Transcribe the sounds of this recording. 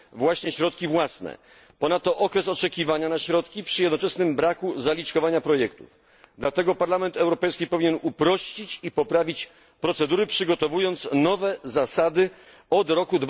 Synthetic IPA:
vwaɕɲɛɕɾɔt̪̚kʲivwasnɛ̰ | pɔnat̪ːɔʔɔkɾɛsɔt͡ʂɛkʲivaɲanaɕɾɔt̪kʲipʂjɛd̪nɔt͡ʂɛsnɘmbɾakuzalʲit͡ʂkɔvaɲapɾɔjɛkt̪ṵv | d̪lat̪ɛɡɔpaɾlamɛnt̪ɛwɾɔpɛjskʲipɔvʲiɲɛnupɾɔɕt͡ɕit͡ɕipɔpɾavʲit͡ɕ | pɾɔt̪sɛd̪uɾɘpʂɘɡɔt̪ɔvujɔnt̪snɔvɛzasad̪ɘ | ɔd̪ɾɔkud̪

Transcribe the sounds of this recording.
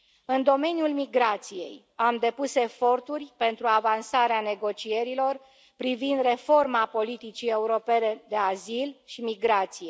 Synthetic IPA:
ɨnd̪o̞me̞njulmiɡɾat̪sije̞̰j | amd̪e̞puse̞fo̞rt̪urʲpe̞nt̪ɾuavansaɾeane̞ɡo̞t͡ʃie̞ɾilo̞r | pɾivind̪re̞fo̞rmapo̞lit̪it͡ʃie̞uɾo̞pe̞ne̞d̪e̞azilʃimiɡɾat̪sije̞

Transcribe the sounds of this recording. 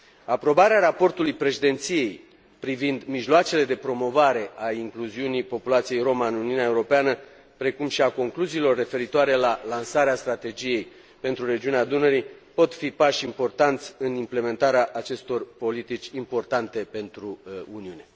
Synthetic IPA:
apɾo̞baɾeaɾapo̞rt̪ulujpɾe̞ʃid̪e̞nt̪sije̞j | pɾivind̪miʒloat͡ʃe̞le̞d̪e̞pɾo̞mo̞vaɾe̞ʔaiŋkluziunipo̞pulat̪sije̞jɾo̞maɨnuniuneaeuɾo̞peanə | pɾe̞kumʃiako̞ŋkluziːlo̞rːe̞fe̞ɾit̪oaɾe̞lalansaɾeast̪ɾat̪e̞d͡ʒije̞j | pe̞nt̪ɾuɾe̞d͡ʒiunead̪unəɾipo̞t̪fipaʃʲimpo̞rt̪ant̪sʲɨnimple̞me̞nt̪aɾeaʔat͡ʃe̞st̪o̞rpo̞lit̪it͡ʃʲimpo̞rt̪ant̪e̞pe̞nt̪ɾuuniune̞

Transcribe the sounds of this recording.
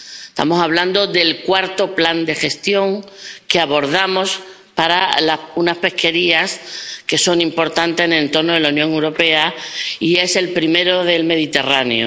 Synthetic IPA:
est̪a̰mo̞saβ̞land̪o̞ðe̞lkwaɾt̪o̞pland̪e̞xe̞st̪jo̞ŋke̞aβo̞ɾðamo̞s | paɾalaunaspe̞hke̞ɾiaske̞so̞ŋĩmpo̞ɾt̪ant̪enelent̪o̞ɾnoðe̞launjõ̞ŋewɾo̞pe̞aie̞se̞lpɾime̞ɾoðe̞lme̞ðit̪e̞raneo̰

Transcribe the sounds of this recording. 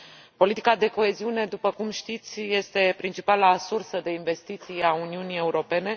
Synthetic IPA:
po̞lit̪i̥kad̪e̞ko̞e̞ziune̞d̪upəkumʃt̪it̪sʲje̞st̪e̞pɾint͡ʃipalasursəd̪e̞inve̞st̪it̪sijauniunije̞uɾo̞pe̞ne̞

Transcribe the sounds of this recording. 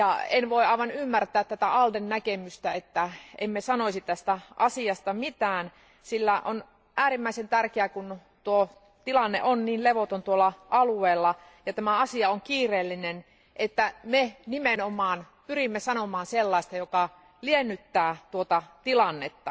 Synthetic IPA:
jɑenʋoiɑˑiʋɑnymːært̪æːt̪t̪æt̪æɑldennækemyst̪æet̪ːæḛmmesɑnoisit̪æst̪æʔɑsiɑst̪ɑmit̪æːn | silːæʔon | ʔæːrimːæisent̪ærkeækun | t̪uo | t̪ilɑnːḛʔonniːnleʋot̪ont̪uolːɑʔɑlueːlːɑ | jɑt̪æmæɑsiɑoŋkiːreːlːinen | ʔet̪ːæmenimenomˑɑːn | pyrimːesɑnomɑːnselːɑist̪ɑjokɑ | lienːyt̪ːæːt̪uot̪ɑt̪ilɑnːet̪ːɑ

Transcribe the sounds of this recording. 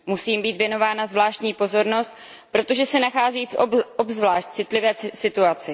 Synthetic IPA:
musiːmbiːt̪vjɛno̞vaːnazvlaːʃt̪ɲiːpo̞zo̞ɾno̞st̪ | pɾo̞t̪o̞ʒɛsɛnaxaːziːfobzvlaːʃt̪̚t͡sɪt̪lɪvɛːsɪt̪uat͡sɪ

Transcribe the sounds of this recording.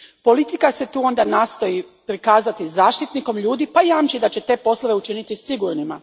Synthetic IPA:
po̞lit̪ikase̞t̪uːo̞nd̪anaːst̪o̞ji | pɾikaːzat̪izaːʃt̪it̪niko̞mʎuːd̪ipajaːmt͡ʃid̪at͡ɕe̞t̪e̞po̞slˠo̞ʋe̞ut͡ʃinit̪isiɡuɾnima

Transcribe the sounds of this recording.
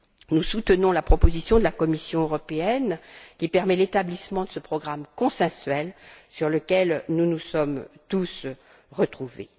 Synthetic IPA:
nusut̪ənɔ̃lapχɔpozisjɔ̃d̪əlakɔmisjɔ̃øʁɔpeɛnkʲipɛʁmɛlet̪ablismɑ̃d̪əsəpχɔɡʁamkɔ̃sɛ̃sɥɛlsyʁləkʲɛlnunusɔmt̪us | ʁət̪χuvḛ

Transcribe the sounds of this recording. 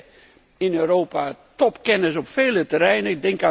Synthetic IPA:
inøːɾoːpatɔpkɛnəs̬ɔpfeːlˠətəɾɛjnəɪk̚dɪŋka

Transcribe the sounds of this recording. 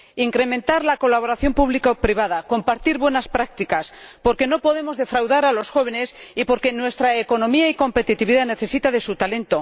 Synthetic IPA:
iŋkɾe̞mẽ̞nt̪aɾlako̞laβ̞o̞ɾaθjo̞mpuβlikapɾiβ̞að̞ako̞mpaɾt̪iɾβwe̞naspɾak̚t̪ikaspo̞ɾke̞no̞po̞ðe̞mo̞zðe̞fɾawðaɾalo̞sxo̞β̞e̞ne̞sipo̞ɾke̞nwe̞st̪ɾaeko̞no̞miaiko̞mpe̞t̪it̪iβiðane̞θe̞sit̪aðe̞sut̪ale̞nt̪o̞

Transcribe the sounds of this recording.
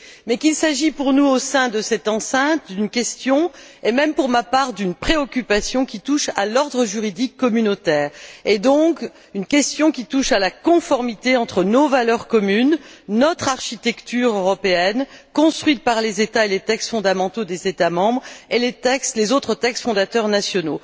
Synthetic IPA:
mɛkilsaʒipuʁnuosɛ̃d̪əsɛt̪ɑ̃sɛ̃t̪d̪ynkʲɛst̪jɔ̃ | emɛmpuʁmapaʁd̪ynpχeɔkʲypasjɔ̃kʲit̪uʃa̰lɔʁd̪ʁəʒyʁid̪ikːɔmynot̪ɛːʁed̪ɔ̃k | ynkʲɛst̪jɔ̃kʲit̪uʃalakɔ̃fɔʁmit̪eɑ̃t̪χənovalœʁkɔmynːɔt̪χaʁʃit̪ɛkt̪yʁøʁɔpeɛnkɔ̃st̪χɥit̪̚paʁlezet̪aelet̪ɛkst̪fɔ̃d̪amɑ̃t̪od̪ezet̪amɑ̃bʁelet̪ɛkst̪lezot̪χət̪ɛkst̪fɔ̃d̪at̪œʁnasjɔno

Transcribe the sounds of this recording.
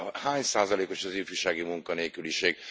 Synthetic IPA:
haɲsaːzɐleːkoʃɔziːfyʃaːɡimuŋkɔneːkyliʃeːɡ

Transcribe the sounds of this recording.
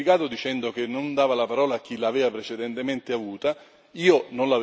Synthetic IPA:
ikaːt̪od̪it͡ʃɛnd̪ok̟enːond̪aːvalapaɾɔːlaːk̟ːilaːvɛːvapɾet͡ʃed̪ɛnt̪ement̪eavuːt̪a | iːononlav

